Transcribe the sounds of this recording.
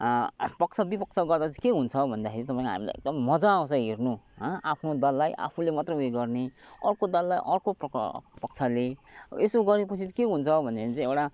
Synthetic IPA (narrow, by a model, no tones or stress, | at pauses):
pʌk̚t͡sʰʌbipʌk̚t͡sʰʌɡʌrd̪at͡sĩkeɦunt͡sʰʌbʱʌnd̪akʰeɾit̪ʌpãĩkɦa̰mila̰jʔḛk̚d̪ʌmːʌd͡zaw̃t͡sʌ̃ɦernuɦʌapʰnod̪ʌlːajʔa̰pʰulemat̪rʌjueɡʌrneʌ̰rkod̪ʌlːajʔʌrkoppʌk̚t͡sʰaleesoɡʌɾepʌt͡sʰikeɦunt͡sʰʌbʱʌnd̪akʰeɾit͡sʌ̃ewʈa